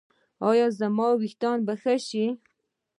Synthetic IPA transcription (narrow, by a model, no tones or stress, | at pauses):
ɑjɑzamɑːwixt̪ɑːnbaxaʃi